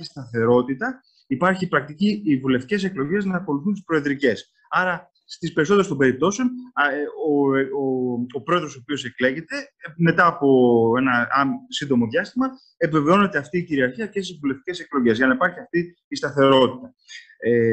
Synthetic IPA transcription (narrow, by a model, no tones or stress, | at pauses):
çist̪ɐθe̞ɾo̞t̪it̪ɐ | ipɐɾçipɾɐk̚t̪iciivule̞ft̪ice̞se̞klo̞ʝe̞znɐːko̞luθunt̪ispɾo̞eðɾice̞s | ɐɾɐ | st̪ispe̞ɾisoðɾst̪ombeɾip̚t̪o̞seon | o | opɾo̞eðɾo̞sopio̞se̞kle̞ʝe̞t̪e̞me̞t̪ɐːpo̞e̞nɐsind̪o̞mo̞ðʝɐst̪imɐ | epve̞veo̞ne̞t̪e̞ɐft̪iːciɾiɐɾçiɐce̞st̪izvule̞ft̪i̥ce̞se̞klo̞ʝe̞zʝɐnɐipɐɾçiɐft̪iː | st̪ɐθe̞ɾo̞t̪it̪ɐ | e